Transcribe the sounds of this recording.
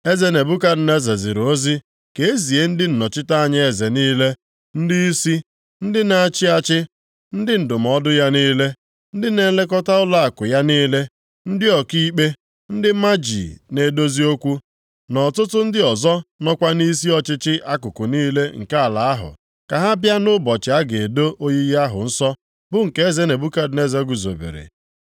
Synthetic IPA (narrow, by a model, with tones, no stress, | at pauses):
e˦ze˨ne˨bu˦ka˦ɾ̩˨ne˦ze˨zḭ˨ɾo˦zi˦ | ke˦e˦zi˨e˦n̩˦dɪ˦n̩˨nɔ˨t͡ʃɪ˦ta˦a˦˨ɲa˦e˨ze˨niː˦le˦ | n̩˦dɪ˦i˦si˦ | n̩˦dɪ˦na˦a˦t͡ʃɪ˦a˦t͡ʃɪ˦ | n̩˦dɪ˦n̩˨dʊ˨m̩˨ɔ˦dʊ˦ja˦niː˦le˦ | n̩˦dɪ˦ne˦le˦k̬ɔ˦ta˦ʊ˦la˦a˨kʊ˨ja˦niː˦le˦ | n̩˦dɪ˦ɔ˨ki˦k͡pe˦ | n̩˦dɪ˦ma˦d͡ʒḭ˨ne˨˦do˦zi˦o˦kʷu˦ | nɔ˨tʊ˦tʊ˦n̩˦dɪ˦ɔ˨zɔ˦nɔ˦kʷa˦ni˦s̬i˦ɔ˦t͡ʃɪ˦t͡ʃɪ˦ʔa˦kʊ˨kʊ˨niː˦le˦ŋ̩̰˨ka˦a˨la˨a˦ɦʊ̰˨ | ka˨ɦa˦bja˦nʊ˦bɔ˨t͡ʃɪ˨a˦ɡe˨e˨do˦o˦ɲi˦ja˦ɦʊ̰˨n̩˦sɔ˦ | bʊ˦ŋ̩˨ke˦e˦ze˦ne˨bu˦ka˦dne˦ze˦ɡu˨zo̰˨bḛ˨ɾḛ˨